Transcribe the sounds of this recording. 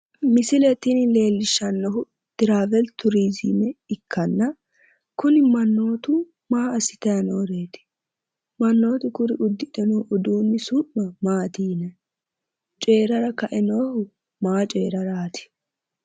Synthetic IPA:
mɪsɪlɛt̪ɪnɪle̞ːlːɪʃːɐnːɔɦʊ | d̪̥ɪɾaːvɛlt̪ʊɾiːziːmɛɪkʰːɐnːɐ | kʊnɪmɐnːoːt̪ʊ | maːɐsɪ̥t̪ɐjɐnoːɾeːt̪ɪ̥ | mɐnːo̞ːt̪ʊkʊɾɪʔʊd̪ːɪᶑ̪ɛnoːʔɔd̪uːnːɪsuʔmɐmaːt̪iːnɛ | t͡ʃʼe̞ːɾɐɾɐkɐʔɛnoːhʊ | maːt͡ʃʼe̞ːɾɐɾaːt̪ɪ̥

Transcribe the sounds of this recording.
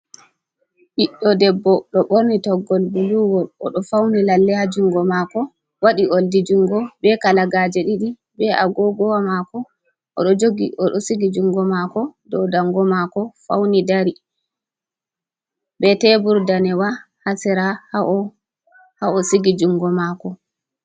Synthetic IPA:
ʔiɗːɔdɛbːɔɗɔɓoɾnitɔɡːɔlbuluwɔlʔɔ̰ɗɔfawnilalːɛhad͡ʒuŋɡɔmakɔ | waɗioldid͡ʒuŋɡɔbɛkalaɡaːd͡ʒɛɗiɗi | bɛʔa̰ɡɔɡɔwamakɔ | ʔɔ̰ɗɔd͡ʒoɡiʔɔɗɔsiɡid͡ʒuŋɡɔmakɔdɔwdaŋɡɔmakɔfa̰wnidaɾi | bɛtɛbuɾdanɛwa | hasɛɾaha | haɔsiɡid͡ʒuŋɡɔmakɔ

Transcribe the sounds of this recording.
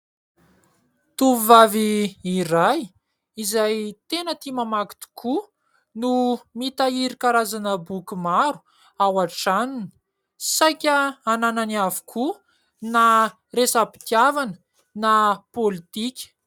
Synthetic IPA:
t̪uvvaviːɾaj | izajt̪enət̪imamaki̥t̪u̥kʰu | numit̪aiɾikaɾazanəbukumaɾu̥ | awaʈ͡ʂanini̥ | sajkʲəanananiavu̥kʰu | na | resapi̥t̪iavanə̥ | napolit̪ikʲə̥

